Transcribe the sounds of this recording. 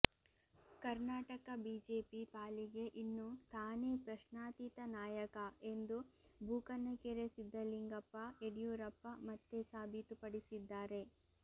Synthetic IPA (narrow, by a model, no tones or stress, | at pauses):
kɐɾnaːʈɐkɐbiːd͡ʒeːpipaːliɡe̞ʔinːut̪aːneːpɾɐʃnaːt̪iːt̪ɐnaːjɐkɐe̞nd̪ubʱuːkɐnːɐkeɾesid̪ːɐliŋɡɐpːɐeɽijuːɾɐpːɐmɐt̪ːesaːbʱit̪upɐɽisid̪ːaːɾe̞